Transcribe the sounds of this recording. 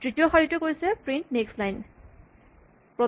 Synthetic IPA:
tɹitioxɔɹitɔkojsɛpɹintnekslajn | pɹɔ

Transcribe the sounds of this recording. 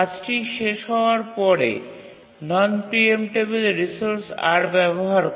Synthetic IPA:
ad͡ʑʈiʃeʃɦɔoaɾpɔɾḛ | nɔnpiemʈebelɾisoɾsa̰ɾbɛboɦaɾ

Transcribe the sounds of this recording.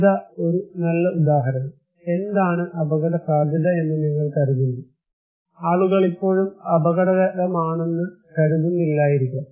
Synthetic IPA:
d̪aːo̞ɾunɐlːɐud̪aːɦɐɾɐnɐ | e̞nd̪aːɳɨʔɐbɐɣɐɽɐsaːɡʱɐðɐe̞nːɐniŋːɐɭkɐɾuðunːu | aːɭuɣɐɭipːo̞ːɻumɐbɐɣɐɽɐɣɐðɐmaːɳe̞nːɨkɐɾuðunːilːaːjiɾikʲːum

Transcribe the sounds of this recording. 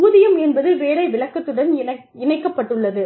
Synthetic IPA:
uːðɪjɐmɛnbɐðɯʋeːɽɐɪʋɪɭɐkːɐt̪ːɯɽɐnɪnɐ | ɪnɐɪkːɐpːɐʈːɯɭːɐðɯ

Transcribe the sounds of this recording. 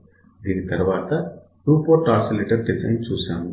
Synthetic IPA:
d̪iːnit̪ɐɾʋaːt̪ɐ | ʈuːpoːʈaːsɐleːʈɐɖɖizɐ̰jnt͡ʃuːsaːn

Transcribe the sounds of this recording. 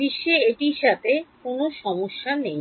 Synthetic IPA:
iʃːeeʈiʃat̪ʰekonoʃɔmoʃːanej

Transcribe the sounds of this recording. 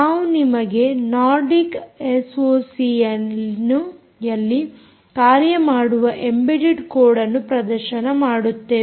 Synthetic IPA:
naːʋunimɐɡe̞naːɾɖikesoːsijɐnu | jɐlːi | kaːɾjɐmaːɽuʋɐʔembeɖiɖkoːɽɐnːupɾɐd̪ɐɾʃɐnɐmaːɽut̪ːeː

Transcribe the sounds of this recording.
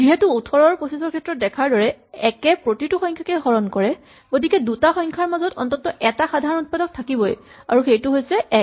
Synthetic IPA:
ziɦɛtuutʰɔɹɔɹposisɔɹkʰɛtɹɔt̚dɛkʰaɹdɔɹɛɛkɛpɹotituxɔjŋkʰakɛɦɔɹɔnkɔɹɛ | ɡ̥otikɛdutaxɔjŋkʰaɹmazɔtɔ̰ntɔtːɔʔɛtaxadʱaɹɔnut̚padɔk̚tʰakibɔj | aɹuxejtʊɦojsɛ

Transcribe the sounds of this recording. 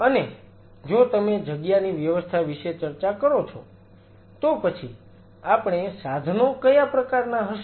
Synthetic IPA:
əne | d͡ʒot̪əmed͡ʒəɡjaniʋjəʋəst̪ʰaʋiʃet͡ʃəɾt͡ʃakəɾot͡ʃʰo | t̪opət͡ʃʰi | apɳ̃esad̪ʱnokəjapɾəkaɾnaɦəʃ

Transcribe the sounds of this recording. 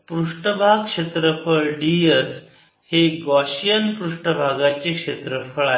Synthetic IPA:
pɾuʂʈəbʱaɡkʂet̪ɾəfʰəɭɖies | heɡɔɕijənpɾuʂʈəbʱaɡat͡ɕekʂet̪ɾəfʰəɭa

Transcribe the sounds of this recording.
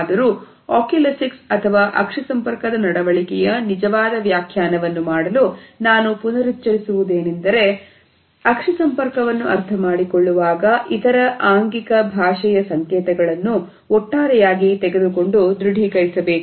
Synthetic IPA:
d̪ɐɾuː | aːkelɐsiksɐt̪ʰɐʋaːʔɐkʂɐsɐmpɐɾkɐd̪ɐnɐɽɐʋɐɭikɛjɐnid͡ʒɐʋaːd̪ɐʋjaːkʰjaːnɐʋɐnːumaːɽɐlunaːnupunɐɾitːt͡ʃːɐɾisuʋud̪e̞ːnend̪ɐɾe̞ | ɐkʂɐsɐmpɐɾkɐʋɐnːuʔɐɾt̪ʰɐmaːɽikoɭːuʋaːɡɐʔit̪ɐɾɐʔaːŋɡikɐbʱaːʂɐjɐsɐŋkɛːt̪ɐɡɐɭɐnːu | ɔʈːaːɾɛjaːɡit̪ɛɡe̞d̪uko̞ɳɖud̪ɾuɖʱikɐjisɐbeːku

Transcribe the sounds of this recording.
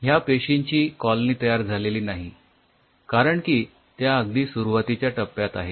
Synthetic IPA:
ɦjapeɕiɲt͡ɕiːkɔlniːt̪əjaɾd͡zʱaleliːnaɦi | kaɾəɳkiː | t̪jaəɡd̪iːsuɾuʋat̪it͡ɕjaʈəpːjat̪a̰ɦe

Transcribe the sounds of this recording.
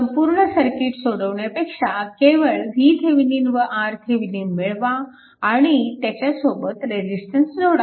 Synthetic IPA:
səmpuːɾɳəsəɾkiʈsoɽəʋɳjapekʂakeʋəɭɦit̪ʰeʋiniːnʋəʔaɾt̪ʰeʋiniːnmiɭʋaː | ɽ̃it̪jat͡ɕasobət̪ɾed͡ʑisʈənsd͡zʱoɽa

